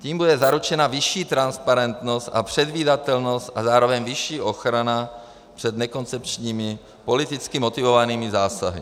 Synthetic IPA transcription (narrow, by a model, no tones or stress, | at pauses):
ciːmbudɛzaɾut͡ʃɛnavɪʃiːt̪ɾanspaɾɛnt̪no̞st̪ʔapr̝̥ɛd̪viːdat̪ɛlno̞st̪ʔazaːɾo̞vɛɲvɪʃiːʔo̞xɾana | pr̥ɛd̪nɛko̞nt͡sɛpt͡ʃɲiːmɪ | po̞lɪt̪ɪt͡skɪmo̞t̪ɪvo̞vaniːmɪzaːsaɦɪ